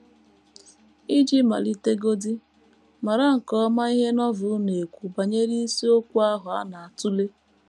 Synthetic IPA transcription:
i˦d͡ʒi˦ma̰˨li˦te˦ɡo˦di˦ | ma˨ɾa˦ŋ̩˨kɔ˦ma˦i˦ɦe˦nɔ˦vʊ˨˦ne˨kʷu˨ba˨ɲe˦ɾi˦i˦si˦o˦kʷu˦a˦ɦʊ˨a˦na˨a˨tʊ˦le˦

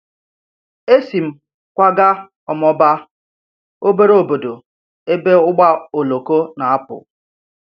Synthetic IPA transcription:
e˦si˨m̩˦ | kʷa˦ɡa˦ | ɔ˨mɔ˦ba˦ | o˦be˦ɾo˨bo˨do˨ | e˦be˦ʊ˦ɡ͡ba˦o˨lo˨ko˦na˨a˦pʊ̰˨

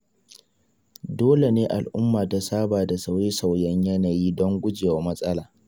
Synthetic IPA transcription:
doː˦le˨neː˦ʔa˨lʔʊ˦mːaː˨da˨saː˦baː˨da˨sa˦wje˦sa˨wjɛ˦ɲjɐ˦naː˨jiː˦dɔ˦ŋɡʷʊ˦d͡ʒɪ˨wa˦mɐ˦sʼɐ˦laː˨

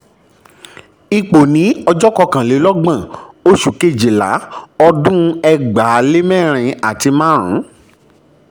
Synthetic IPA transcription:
i˧k͡po˨nĩ˨˦ɔ˧d͡ʒɔ˦kɔ˧kã˨le˨˦lɔ˦ɡ͡bã˦˨o˦ʃu˦˨ke˦˨d͡ʒe˨la̰˨˦ɔ˧dũ˦ɛ˦ɡ͡ba˨˦le˦mɛ̃˦˨ɾ̃ĩ˧a˨ti˧mãː˦ɾ̃ũ˨˦

